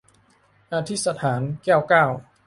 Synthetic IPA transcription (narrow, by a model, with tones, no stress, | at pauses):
ʔa˧t̪ʰi˦˥sa˧t̪ʰaː˩˦nkɛː˥˩wkaː˥˩w